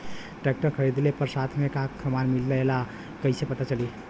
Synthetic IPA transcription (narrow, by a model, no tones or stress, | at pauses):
ʈek̚ʈəɾkʰəɾid̪lepəɾsat̪ʰmekaəmanmilːeela | kəɪsepət̪at͡ʃəli